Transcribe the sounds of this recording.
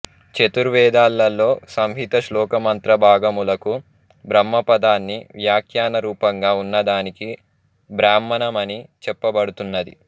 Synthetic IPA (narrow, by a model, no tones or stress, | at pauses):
t͡ʃet̪uɾʋɛːd̪aːlːɐlːo̞ːsɐmbʱit̪ɐʃlɔːkɐmɐnt̪ɾɐbʱaːɡɐmulɐku | bɾɐmːɐpɐd̪aːnːiʋjaːkʰjaːnɐɾuːpɐŋɡaːunːɐd̪aːniki | bɾaːmːɐnɐmɐnit͡ʃɛpːɐbɐɽut̪unːɐd̪ḭ